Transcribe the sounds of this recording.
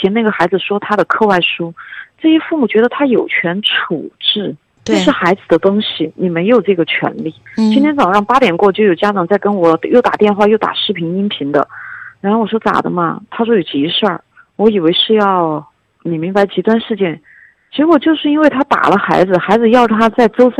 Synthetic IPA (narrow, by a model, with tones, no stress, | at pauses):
t͡ɕʰɛ˧˥na˥˩ɡə˩xa˧˥ɪd͡zɹ̩˧˩ʂwɔ˥t̪ʰa˥d̪ə˨kʰɤ˥˧wa˥˩ɪʂu˥ʈ͡ʂɤ˥˩ɕɛ˥fu˥˩mu˨˩t͡ɕɥɛ˧˥d̪ə˧t̪ʰa˥jo˨˩ʊt͡ɕʰɥɛ˧˥nʈ͡ʂʰu˨˩ʈ͡ʂɻ̩˥˩ | t͡ɕo˥˧ʊʂɻ̩˥˩xa˧˥ɪd͡zɹ̩˨˩d̪ə˦t̪ʊ˥ŋɕi˨˩ni˨˩me˧˥ɪjo˨˩ʊʈ͡ʂɤ˥˩ɡə˩t͡ɕʰɥɛ̰˧˥nli˥˩t͡ɕi˥nt̪ʰjɛ˥nt͡sɑ˨˩ŋɻɑ˥˩ŋpa˥t̪jɛ˨˩nkwɔ˥˧˩t͡ɕjo˥˩jo˨˩ʊt͡ɕja˥ʈ͡ʂɑ˨˩ŋt͡sa˥˩ɪkə˥nwɔ˨˧˩jo˥˩ʊt̪a̰˨˩t̪jɛ˥˧nxwa˥˧jo˥˩ʊt̪a̰˨˩ʂɻ̩˥˩pʰi˧˥ni˥npʰi˧˥ŋd̪ə̰˧ɻa˧˥nxo˥˩wɔ˨˩ʂ̬wɔ˥t͡sa̰˨˩d̪ə̰˦mɐ̰˧t̪ʰa˥ʂwɔ˥jo˨˩ʊt͡ɕi˧˥˧ʂə˥˩ | wɔ˧˥i˨˩we˧˥ɪʂɻ̩˥˧jɑ˥˩ʊ | ni˨˩mi˧˥ŋba˧˥ɪt͡ɕi˧˥t̪wa˥˧nʂɻ̩˥˧t͡ɕjɛ˥˩n | t͡ɕi˧˥kwɔ˨˩t͡ɕjo˥˧ʊʂɻ̩˥˧i˥nwe˥˩ɪt̪ʰa˥t̪a̰˨˩lə˦xa˧˥ɪd͡zɹ̩˧xa˧˥ɪd͡zɹ̩˧jɑ˥˩ʊʈ͡ʂə˨˩t̪ʰa˥t͡sa˥˩ɪt͡so˥ʊs